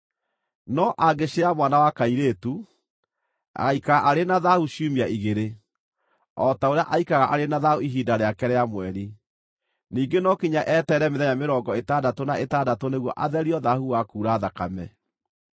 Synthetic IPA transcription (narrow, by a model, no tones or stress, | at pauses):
nɔʔaɡeɕeɾamwanawakaiɾetu | a̰ɣaikaɣaʔaɾenaðahuɕiumiaʔiɣeɾe | ɔtaoɾeaʔaikaɣaʔaɾenaðahuiɦiːdaɾeakɛɾɛamwɛɾi | niːŋɡenɔkiɲaʔɛːtɛːɾɛmeðɛɲameɾɔːŋɡɔetadatonaʔetaːdatoneɣwɔʔaðɛɾiɔðahuwakuːɾaːðakamɛ̰